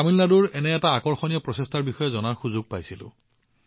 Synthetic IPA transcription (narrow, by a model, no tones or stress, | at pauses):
amilnaduɹɛnɛɛtaːkɔɹxɔnijɔpɹɔsestʰaɹbixɔjɛzɔnaɹxuzuɡ̚pajsilʊ̰̃